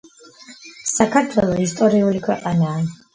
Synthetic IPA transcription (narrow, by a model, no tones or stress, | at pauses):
sakʰaɾt̪ʰwɛlˠɔist̪ʼɔɾiulikʰwɛqʼanaː